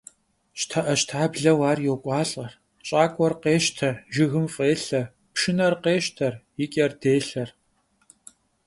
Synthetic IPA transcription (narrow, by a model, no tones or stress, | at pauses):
ʃtʰɐʔɐʃtʰaːbɮɐwaːrjoːkʷʼɑːɬʼɐr | t͡ʃʼaːkʷʼɔrqeːʃtʰɐʒɪɣɨmfʼeːɬɐ | pʃɪnɐrqeːʃtʰɐrjɪkʼɛrdeːɬɐr